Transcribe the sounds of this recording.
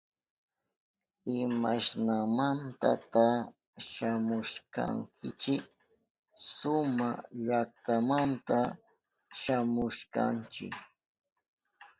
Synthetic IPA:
ɪmaʃnamant̪a̰t̪a | ʃamʊʃka̰ŋkʰɪt͡ʃɪk | sʊmaʎakt̪amant̪a | ʃamʊʃka̰nt͡ʃɪ̰k

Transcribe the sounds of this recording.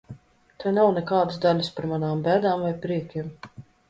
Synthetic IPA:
t̪anawnɛkaːd̪ɨsd̪alʲuspaɾmanaːmbæːd̪aːmvajpɾiɛkʲim

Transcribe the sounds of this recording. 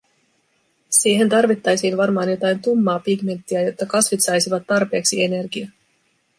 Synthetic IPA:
siːɦe̞nt̪ɑrʋit̪ːɑjsiːnʋɑrmɑːnjo̞t̪ɑjnt̪umːɑːpiɡme̞nt̪ːiæjo̞t̪ːɑkɑsʋit̪sɑjsiʋɑt̪ːɑrpe̞ːksie̞ne̞rɡiɑ

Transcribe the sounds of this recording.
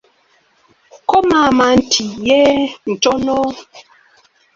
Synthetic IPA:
kɔmamantʰijɛn̩tɔno

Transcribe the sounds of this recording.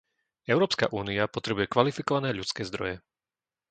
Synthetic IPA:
ɛʊɾɔːpska̰ʔuːniapɔt̪ɾɛbujɛkʋalifikɔʋanɛːʎut͡skɛːzd̪ɾɔ̰jɛ

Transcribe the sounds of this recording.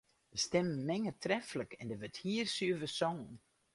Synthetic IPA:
d̥əstɛməmɛŋətʰrɛfləkʰɛndəʋəthiərsyəʋəsɔŋn

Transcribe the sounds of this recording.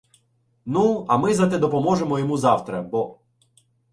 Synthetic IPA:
nuɐmɪzɐt̪ɛd̪ɔpɔmɔʒemɔjɔmuzɑwt̪ɾɐbɔ

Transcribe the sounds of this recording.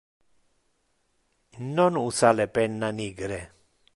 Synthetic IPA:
nɔnusalepɛnːaniɡɾɛ

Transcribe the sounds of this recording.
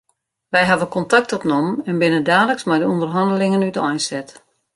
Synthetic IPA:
ʋɛjɦavəkɔntak̚tɔpnɔmɛnbɪnəndaːləksmɛjdəundərɦɑndəlɪŋənytɔjnsɛt

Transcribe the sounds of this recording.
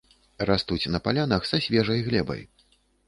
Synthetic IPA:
rast̪ut͡sʲnɐpalʲanɐxsasʲvʲɛʐɐjɣlʲɛbɐ̰j

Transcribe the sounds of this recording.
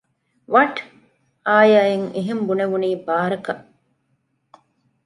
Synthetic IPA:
ʋɐʈ | aːjaːjeŋeɦembuneʋuniːbaːɐɾɐkɐʔ

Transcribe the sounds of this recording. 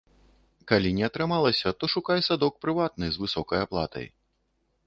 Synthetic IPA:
kalʲinʲɛɐt̪ɾɨmalˠɐsʲɐt̪ɔʂukajsad̪ɔk̚pɾɨvat̪̚nɨzvɨsɔkɐjaplˠa̰t̪ʰɐ̰j

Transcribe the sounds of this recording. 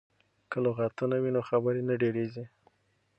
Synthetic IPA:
kəloɣat̪unawinoxabəɾenaɖeɾezi

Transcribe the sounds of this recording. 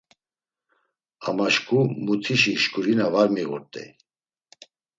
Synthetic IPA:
amaʃkʰʼumut̪ʰiʃiʃkʰʼuɾinavaɾmiɣɔ̰ɾt̪ʼɛ̰

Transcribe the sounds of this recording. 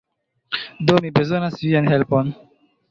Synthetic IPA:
domibezonasvianɦelpon

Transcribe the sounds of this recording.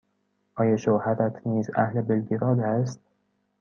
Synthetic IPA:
ʔɒːjɑʃowhæɾæt̪ʰniːzæ̰hlebelɡiɾɒːd̪æst̪̚

